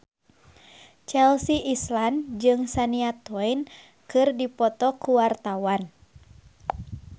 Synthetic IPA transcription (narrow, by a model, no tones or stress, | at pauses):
t͡ʃɛlsiʔisland͡ʒɨŋsaniat̪ɛjn | kɨrdipɔt̪ɔkuwart̪awan